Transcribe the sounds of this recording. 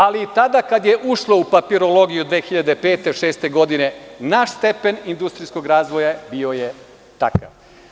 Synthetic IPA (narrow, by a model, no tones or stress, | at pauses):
alit̪ad̪akad̪jeʔuʃlo̞upapiɾo̞lo̞ɡijud̪ʋeːxiʎad̪e̞pe̞ːt̪eʃe̞ːst̪e̞ɡo̞d̪ine̞naʃst̪e̞penind̪ust̪ɾisko̞ɡɾaːzʋojabio̞je | t̪aka̰ʋ